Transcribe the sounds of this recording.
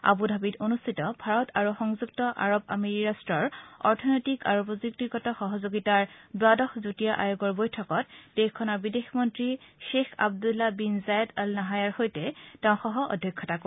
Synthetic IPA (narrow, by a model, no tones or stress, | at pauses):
a̰budʱabitonustʰitɔbʱaɹɔtaɹuxɔŋzuk̚tɔʔa̰ɹoba̰meɹiɹastɹɔɹɔɹtʰɔnojtika̰ɹopɔzuk̚tiɡɔtɔxɔɦɔzoɡitaɹdwadɔxzutijaʔajoɡɔɹbojtʰɔkɔt̚d̥exkʰːɔnaɹbidexmɔntɹiʃexa̰b̚dulːabinzajɔdalnaɦajaɹxojtɛtɛʊ̃xɔɦɔʔɔ̰dʱjɔkʰːɔtak